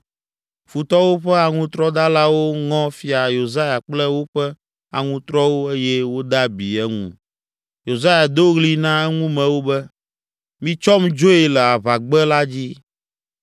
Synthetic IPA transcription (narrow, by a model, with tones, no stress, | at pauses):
fu˨t̪ɔ˦wo˦ɸɛ˦a˨ŋũ˦t̪ɾɔ˦d̪a˦la˦wo˦ŋɔ̃˦fi˦a˨jo˨za˦ja˨k͡plɛ˦wo˦ɸɛ˦ | a˨ŋũ˦t̪ɾɔ˦wo˦e˦jɛ˦wo˦d̪a˦bi˨ɛ˦ŋṵ̃˦˨ | jo˨za˦ja˨d̪o˦ɣli˦nã˦ɛ˦ŋũ˦mɛ̃˨wo˦bɛ˦ | mĩ˦t͡ʃɔ˦md͡ʒo˦e˨lɛ˨a˨βa˨ɡ͡bɛ˦la˦d͡ʑi˦